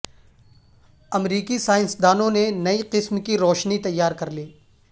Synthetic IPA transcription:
ɐmɾiːkisaːɪ̃nsd̪aːnõnenɐiqɪsmkiɾɔːʃnit̪ɐjːaːɾkɐɾliː

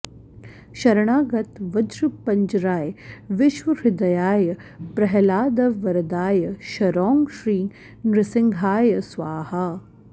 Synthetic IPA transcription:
ʃɐɾɐɳ̃aːɡɐt̪ʋɐd̪ɾupɐɲd͡ʒɾaːjʋɪʃʋɐɾɪd̪ɐjaːjɐpɾɐɦɐlaːd̪ɐʋɐɾɐd̪aːjɐʃɐɾɔːŋʃɾiː | nɾɪsɪŋɡʱaːjɐsʋaːha

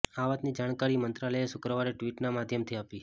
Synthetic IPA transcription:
aʋat̪nid͡ʒaɽ̃kaɾimənt̪ɾaləeʃʊkɾəʋaɾeʈʋiʈnamad̪ʱjəmt̪ʰiapi

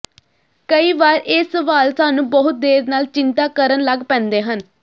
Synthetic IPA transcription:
kəiːʋaːɾɪːsːəʋaːlsaːnũːbəɦʊt̪̚d̪eːɾnaːlt͡ʃɪnt̪aːkəɾənləɡpɛ̃ːnd̪eːɦən

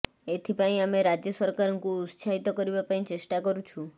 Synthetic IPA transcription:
et̪ʰipãĩameɾad͡ʒjəsəɾkaɾɔŋkũːt̪sʰait̪okəɾibapãĩt͡ʃesʈakəɾũt͡ʃʰũ

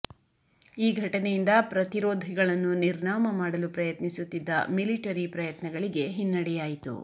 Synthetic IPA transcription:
iːɡʱɐʈɐnejind̪ɐpɾɐt̪iɾoːd̪ʱiɡɐɭɐnːuniɾnaːmɐmaːɽɐlupɾɐjɐt̪nisut̪ːid̪ːɐ̰miliʈɐɾipɾɐjɐt̪nɐɡɐɭiɡe̞ɦinːɐɽɛjaːjit̪ṵ

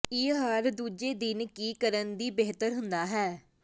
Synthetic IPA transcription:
ɪɦəɾd̪uːd͡ʒeːd̪ɪnkiːkəɾənd̪iːbeːt̪əɾɦʊnd̪aːɦɛː

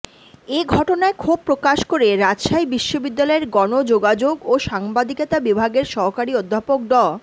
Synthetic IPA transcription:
eɡʱɔʈonaekʰub̚pːɾokaʃkoɾeɾad͡ʑʃajbiʃːobid̪ːalɔeɾɡɔnod͡ʑoɡad͡ʑoɡoʃaŋbad̪iket̪abibʱaɡeɾʃɔɦkaɾiod̪ʱːapok̚ɖɔ

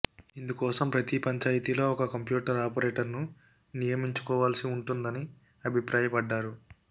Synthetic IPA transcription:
ind̪ukɔːsɐmpɾɐt̪ipɐɲt͡ʃaːjɐt̪ilo̞ːɔkɐkɐmpjuːʈɐɾaːpɐɾeːʈɐɾnu | nijɐmiɲt͡ʃu̥kɔːʋaːlsiuɳʈund̪ɐni | ɐbʱipɾʔaːjɐpɐɖːaːɾu

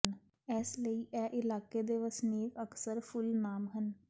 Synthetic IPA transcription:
n | ɛːsləiːʔɛːʔɪlaːkeːd̪eːʋəsneːkəksəɾpʰʊlnaːmɦən

